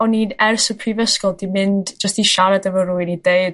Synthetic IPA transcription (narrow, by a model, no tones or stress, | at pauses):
ɔninɛrsɔpʰrivəskɔlˠd̥imɪndd͡ʒəstiʃaɾadəvərujnideɨd̥